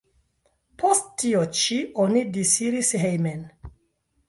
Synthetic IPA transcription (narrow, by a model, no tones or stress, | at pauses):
pʰo̞sttːiot͡ʃiʔonidisiɾisɦejmen